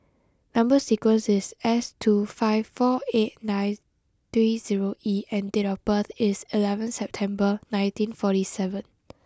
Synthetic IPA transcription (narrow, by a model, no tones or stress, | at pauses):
nãmbəsikwə̃nsɪsɛstʰufaɪvfɔet̚nãɪn | tɹiziɹoiɛ̃ndetɔfb̥əθɪsilɛvə̃nsɛp̚tʰɛ̃mbənãɪ̃ntĩnfɔtisɛvə̃n